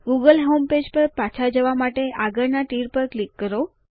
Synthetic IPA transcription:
ɡuɡəlɦomped͡ʒpəɾpat͡ʃʰad͡ʒəʋamaʈeʔaɡəɾnaʈiɾpəɾklikːəɾo

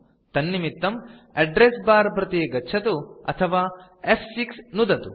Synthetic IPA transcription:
t̪ɐnːimit̪ːɐm | ɐɖɾesbaːɾbɾɐt̪iːɡɐːt͡ʃʰɐt̪uɐ̰t̪ʰɐʋaː | epʰsiksnud̪ɐt̪u

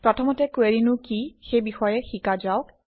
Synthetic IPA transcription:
pɹɔtʰɔmɔtɛkweɹinʊkixejbixɔjɛxikazaʊk̚

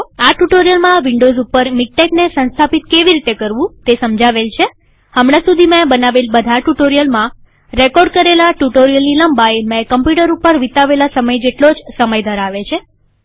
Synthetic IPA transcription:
aʈuʈoɾijəlmãʋiɳɖozupəɾmik̚ʈeknesə̃nst̪ʰapit̪keʋiɾit̪ekəɾʋũt̪esəmd͡ʒaʋelt͡ʃʰe | həmɽ̃ãsud̪ʱimẽbənaʋelbəd̪ʱaʈuʈoɾijəlmã | ɾekɔɾɖ̚kəɾelaʈuʈoɾijəlniləmbaemɛ̃kəmpjuʈəɾupəɾʋit̪aʋelasəməjd͡ʒeʈlod͡ʒsəməjd̪ʱəɾaʋet͡ʃʰe

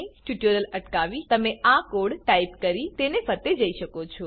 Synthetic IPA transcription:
eʈuʈəɾələʈkaʋit̪əmeakoɽʈaipkəɾit̪enepʰət̪ed͡ʒəiʃəkot͡ʃʰɔ

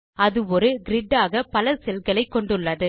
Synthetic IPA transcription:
ɐðɯɔɾɯɡɪɾɪɖːaːɣɐpɐlɐsɛlɣɐɭɐɪkːɔɳɖɯɭːɐðɯ

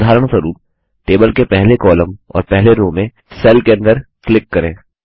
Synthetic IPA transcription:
d̪ʱaːɾəɽ̃səɾuːn | ʈeːbəlkepɛɦlekɔːlə̃mɔ̰ːɾpɛɦleɾõmẽ | sɛːlkeɐ̃nd̪əɾklɪkːɐɾẽː

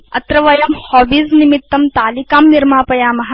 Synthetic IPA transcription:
ɐt̪ɾɐʋɐjɐmhɔːʋiznimit̪ːɐmt̪aːlikaːmniɾmaːpɐjaːmɐɦ

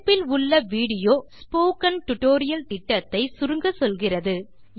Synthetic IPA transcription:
pːɪlʊɭːɐʋiːɽɪjoːspoːkɐnʈʊʈoːɾɪjɐlt̪ɪʈːɐt̪ːɐɪsʊɾɯŋɡɐsɔlɣɪrɐðɯ

